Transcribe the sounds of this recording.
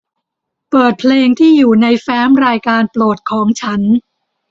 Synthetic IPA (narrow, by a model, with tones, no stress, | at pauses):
pɤː˨˩t̪̚pʰleː˧ŋt̪ʰiː˥˩juː˨˩na˧jfɛː˦˥mɾaː˧jkaː˧nploː˨˩t̪̚kʰɔː˩˦ŋt͡ɕʰa˦˥n